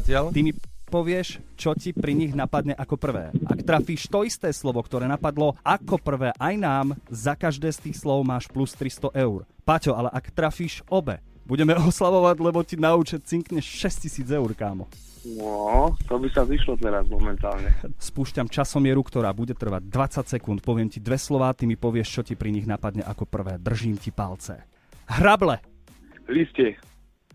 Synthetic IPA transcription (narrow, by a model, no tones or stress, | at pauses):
acɪalt̪imipɔʋɪɛʃt͡ʃɔcipɾiɲiɣnapad̪ɲɛʔakɔpr̩ʋɛ̰ːʔa̰kt̪ɾafiːʃt̪ɔist̪ɛːslɔʋɔkt̪ɔɾɛːnapad̪lɔakɔpr̩ʋɛːʔajnaːmzakaʒd̪ɛːst̪iːxslɔʊmaːʃplust̪ɾist̪ɔʔɛʊɾpacɔalɛʔakt̪ɾafiːʃɔbɛ̰ | buɟɛmɛɔslaʋɔʋaɟlɛbɔcinauːt͡ʃɛt͡siŋkɲɛʃʃɛscisiːd͡zɛuɾkaːmɔ | nɔt̪ɔbisaziʃlɔt̪lɛɾazmɔmɛnt̪aːlɲɛspuːʃcamt͡ʃasɔmɪɛɾukt̪ɔɾaːbuɟɛt̪r̩ʋa̰ɟ̚d̪ʋat͡sacsɛkunt̪̚pɔʋɪɛmcid̪ʋɛslɔʋaːt̪imipɔʋɪɛʃt͡ʃɔcipɾiɲiɣnapad̪ɲɛ̰ʔakɔpr̩ʋɛːd̪r̩ʒiːmcipa̰lt͡sɛ̰ | ɦɾablɛ | liscɛ